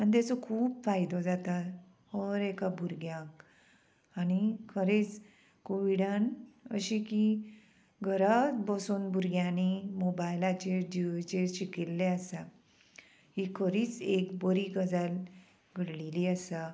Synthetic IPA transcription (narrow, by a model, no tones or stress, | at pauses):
anit̪̬at͡sɔkʰuːbfajd̪ɔd͡zat̪at̪ | hɔɾekabʱuɾɡjãk | anikʰəɾet͡s | koʋiɽanə̰ɕiki | ɡʱəɾat̪bəsuːnbʱuɾɡjãnimobajlat͡ɕed͡ʑiʋt͡ɕeɾɕikilːeasa | hikʰəɾiːt͡sekbəɾiɡəd͡zal | ɡʱəɽliliasa